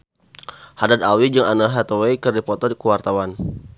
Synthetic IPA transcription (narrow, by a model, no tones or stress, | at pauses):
hadad̪awid͡ʒəŋanaɦat̪owekərdipɔt̪ɔdikuwart̪awan